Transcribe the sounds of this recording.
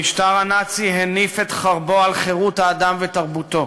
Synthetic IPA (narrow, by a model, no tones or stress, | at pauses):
iʃtaʁanat͡siɦenifet̪χaʁbo̞alχeʁut̪haːd̪amvet̪aʁbut̪o̞